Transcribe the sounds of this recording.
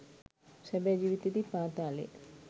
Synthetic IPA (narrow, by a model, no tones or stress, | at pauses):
sɛbɛːd͡ʒiːʋit̪ed̪ipaːt̪aːlḛ